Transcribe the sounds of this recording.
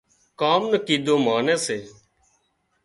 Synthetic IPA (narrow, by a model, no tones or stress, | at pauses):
kaːmnəkiːd̪oːmaːneːseː